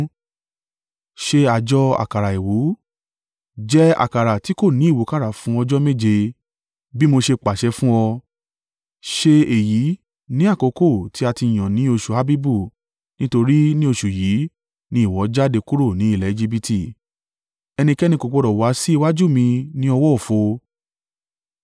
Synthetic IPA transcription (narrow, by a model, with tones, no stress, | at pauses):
ʃe˧a˨d͡ʒɔ˦a̰˨ka˨ɾa˨e˨wu˨˦ | d͡ʒɛ˦a̰˨ka˨ɾa˨ti˨˦ko˦˨nĩ˨˦i˦˨wo˨˦ka˦ɾa˨fũ˨˦ɔ˧d͡ʒɔ˦me˦˨d͡ʒe˧ | bi˦mo˧ʃe˧k͡pa˨ʃɛ˧˦fũ˦ɔ˧ | ʃe˧e˨ji˨˦ | nĩ˦a˦˨ko˨˧ko˦˨tʰi˨˦a˧ti˧˨j̃ã˨nĩ˨˦o˧ʃu˨ha˦˧bi˦bu˦˨ | nĩ˦to˧ɾi˦nĩ˦o˧ʃu˨ji˨˦ | nĩ˦i˦˨wɔ˨˦d͡ʒa˦de˧ku˦ɾo˦˨nĩ˨˦i˦˨lɛ˨˦i˧d͡ʒi˦˧bi˧tʰi˦˨ | ɛ˧nĩ˧kɛ˦nĩ˧ko˨k͡po˧ɾɔ˨wa˨˦si˦i˧wa˦d͡ʒu˦˨mĩ˧nĩ˦ɔ˧wɔ˦o˨fo˧